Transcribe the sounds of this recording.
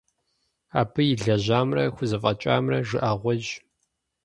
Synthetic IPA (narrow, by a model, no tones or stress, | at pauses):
aːpʰɨjɪɮɐʑaːmrɐxʷʊzɨfʼɐt͡ʃʼa̰ːmrɐʐɨʔaʁʷɔʒ